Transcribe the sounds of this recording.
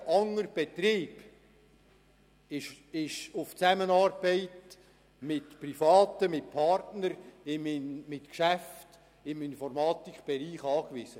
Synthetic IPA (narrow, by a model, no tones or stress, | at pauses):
ʔɑŋəɾb̥ɛt̪ɾiːb | ɪʃ | ɪʃʊft͡sæmənɑːrb̥ɛɪt | mɪtprifɑːtəmɪt̚pʰɑrtnəɾɪmɪnmɪtkʃæft | ɪmɪnfɔrmɑːt̪ikχb̥ɛɾiːχɑːkʋɪsə